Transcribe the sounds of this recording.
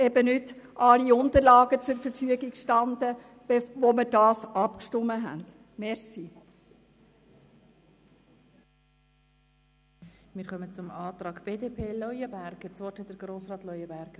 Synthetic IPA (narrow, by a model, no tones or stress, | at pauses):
ɛbənʏtʔɑliʊnd̪əɾlɑːɡət͡sʊɾfəɾfyəɡikʃtɑnd̪ə | b̥eʋoməɾdɑːsɑpkʃtʊmːəɦæ̰nd̥ | mɛɾsi | mɪːɾkœmət͡sʊmɑːt̪ɾɑːɡb̥eːdeːpʰeːlɔjəbæɾɡ̥ət͡sʋɔthɛt̚d̥əɾɡ̥ɾoːsɾɑːt̪lɔjəbæɾɡ̥ə